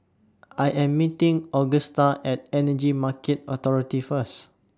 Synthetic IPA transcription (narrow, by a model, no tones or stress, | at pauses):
ajʔɛ̃mːitĩŋɔɡəstaʔɛt̚ɛnəd͡ʒimakɛt̚ɔt̪ɔɹitifəs